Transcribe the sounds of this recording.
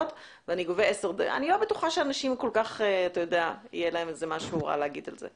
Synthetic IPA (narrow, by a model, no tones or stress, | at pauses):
ot | veaniɡoveeseʁd̪ḛa̰nilo̞betuχaʃeanaʃimko̞lkaχeat̪ajo̞d̪eaḭjelae̞mezemaʃuʁa̰leaɡid̪alzḛ